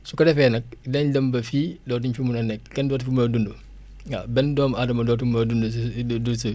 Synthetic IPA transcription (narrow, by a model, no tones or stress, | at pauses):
sukɐdɛfɛnɐk̚lɛndɐmbɐfidɔːt̬uɲfimunɐnɛk̚kɛndɔːtifimodundu | ŋabɛndɔːmadɐmɐdɔːtumdundudusu